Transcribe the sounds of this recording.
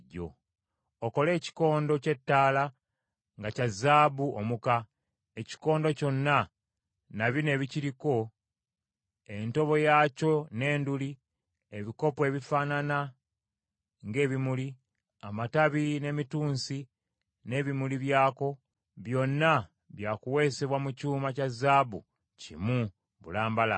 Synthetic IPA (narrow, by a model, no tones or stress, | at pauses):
ɟo̰ | oko̞le̞ːci̥ko̞ːndo̞ce̞tːaːla | ŋɡacazaːbuo̰muka | e̞ci̥ko̞ːndo̞co̞nːa | naβine̞ːβiciɾiko̞ | e̞nto̞βo̞jaːco̞ne̞ːnduli | eβiko̞pwe̞ːβifanana | ŋɡe̞ːβimuli | amataβine̞mituːnsi | ne̞ːβimuliβjaːko̞ | βjo̞nːa | βjaːkuwe̞ːse̞βwamucuːmacazaːbṵ | cḭmu | βṵlaːmbala̰